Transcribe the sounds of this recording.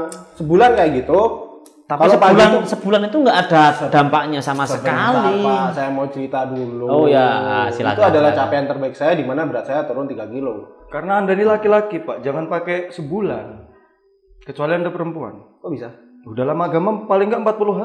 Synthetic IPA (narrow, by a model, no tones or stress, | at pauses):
səbulankajaʔɡit̪u | t̪apilsəpaulansəbulanit̪uŋɡaʔːdadampak̚ɲasamasəkaliasajamaut͡ʃəɾit̪aduluojasila̰kt̪uadalaht͡ʃapeant̪ərbaɪk̚sajadimanabəɾat̪̚sajat̪uɾʊnt̪iɡakilokaɾənaːndanilakilakipaʔd͡ʒaŋanpakɛsəbulan | kət͡ʃualiandapəɾəmpua̰nkobisa | odalamaɡamapalɪŋɡaʔəmpat̪̚puluɦa